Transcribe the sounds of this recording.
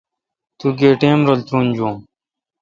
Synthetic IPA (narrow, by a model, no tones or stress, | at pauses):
t̪uːɡeːʈeːmɾolt͡ɕuːnd͡ʑũː